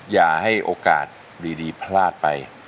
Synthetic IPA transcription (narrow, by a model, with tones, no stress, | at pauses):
jaː˨˩ha˥˩jʔoː˧ka̰ː˨˩t̪̚ | diː˧diː˧pʰlaː˥˩t̪̚pa̰˧j